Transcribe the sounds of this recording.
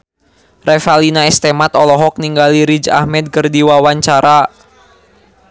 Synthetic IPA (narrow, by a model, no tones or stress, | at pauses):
rɛfalinaɛst̪ɛmat̪ɔlɔɦɔk̚niŋɡaliɾid͡ʒa̰hmɛd̪̚kərdiwawaɲt͡ʃaɾa